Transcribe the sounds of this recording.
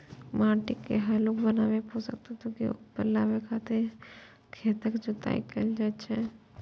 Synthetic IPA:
maːɾʈɪkːeɦɛlokbənaːʋeposə̰k̚t̪at̪õkiʊ̰pəɾlaːʋekʰaːt̪e | kʰeːt̪əkd͡ʒʊt̪a̰ːḭkəld͡ʒaːt͡ʃʰɛ

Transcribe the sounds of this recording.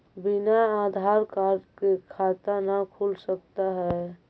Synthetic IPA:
binaad̪ʱaɾkaɾkekʰat̪anakʰulsək̚t̪aɦɛ

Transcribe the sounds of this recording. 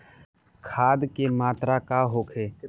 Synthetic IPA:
kʰaːd̪kemaːt̪ɾakaɦoːkʰeː

